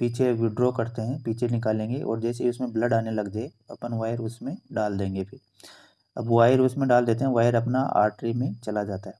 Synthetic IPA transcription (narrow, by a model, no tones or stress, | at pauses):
piːt͡ʃʰewɪɖɾokɐɾt̪eɦɛ̃piːt͡ʃʰenɪkaːlẽːŋɡeʔɔ̰ːɾd͡ʒɛːseɦiʊsmẽbləɖaːnelɐɡd͡ʒaːe | ɐpənʋaːɪɾʊsmẽɖaːld̪ẽːŋɡepʰɪɾ | ɐbʋaːɪɾʊsmẽɖaːld̪eːt̪̬eɦɛ̃ʋaːɪɾɐpnaʔa̰ːɾʈɾimẽt͡ʃɐlad͡ʒaːt̪aɦɛː